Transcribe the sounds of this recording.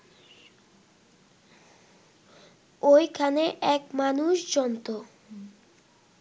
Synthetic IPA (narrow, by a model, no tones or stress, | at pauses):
ojkʰaneʔɛkmanuʃd͡ʑɔnt̪o